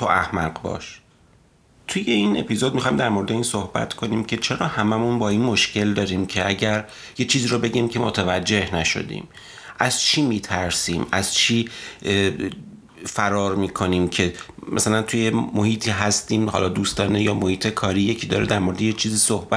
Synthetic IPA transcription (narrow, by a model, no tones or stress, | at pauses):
t̪ʰoʔæhmæɢbɒ̰ːʃ | t̪ʰuje̞iːne̞pizo̞d̪̚mixɒːjimd̪æɾmo̞ɾed̪e̞insohbæ̰t̪kʰo̞niːmcʰe̞t͡ʃʰe̞ɾɒːhæmæmunbɒːiːnmo̞ʃce̞ld̪ɒːɾiːmcʰe̞ʔæɟæɾ | je̞t͡ʃʰiːziːɾobe̞ɟiːmcʰe̞mot̪ʰævæd͡ʒːe̞hnæʃo̞̰d̪ḭːm | ʔæz̥t͡ʃʰiːmiːt̪ʰæɾsiːmæz̥t͡ʃʰiː | fæɾɒːɾmiːkʰo̞niːmcʰe̞mæ̰sælænt̪ʰuje̞mːohiːt̪ʰiːɦæst̪iːmhɒ̰ːlɒːd̪uːst̪ɒːnejɒːmohiːt̪ʰe̞kʰɒːɾiːje̞cʰiːd̪ɒ̰ːɾed̪æɾmo̞ɾed̪ejet͡ʃʰiːziːsohbæ